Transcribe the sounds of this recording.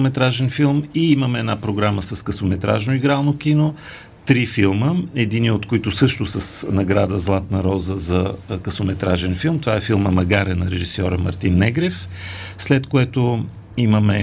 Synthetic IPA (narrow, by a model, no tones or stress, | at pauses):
mɛt̪ɾaʒɛnfilˠmiiməmɛɛːd̪napɾoɡɾaməsɐskəsomɛt̪ɾa̰ʒnoiɡɾalˠnokino | t̪ɾifilˠməɛd̪iniot̪koit̪ʊsɤʃt̪osɐsnɐɡɾad̪əzlˠat̪nɐɾɔzəzɐkəsomɛt̪ɾaʒɛnfilˠmt̪ovaɛfilˠməmɐɡaɾɛnɐɾɛʒisɔɾəmɐ̰ɾt̪inːɛɡɾɛfslɛt̪koɛt̪o | iməmɛ